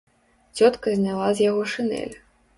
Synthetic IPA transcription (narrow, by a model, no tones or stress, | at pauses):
t͡sʲɔt̪kɐzʲnʲalˠazʲjaɣɔʂɨnɛ̰lʲ